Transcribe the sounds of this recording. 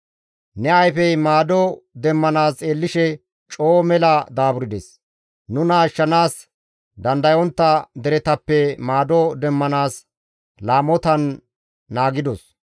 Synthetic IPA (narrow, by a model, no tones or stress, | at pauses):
nɛɐjfɛjmaːd̪ɔd̪ɛmːɐnaːsʼeːlːɪʃɛ | t͡ʃʼoːmɛlɐd̪aːbʊɾɪd̪ɛs | nʊnaːʃːɐnaːs | d̪ɐnd̪ɐjɔnt̪ːɐd̪ɛɾɛt̪ɐpːɛmaːd̪ɔd̪ɛmːɐnaːs | laːmɔt̪ɐnː | aːɡɪd̪ɔs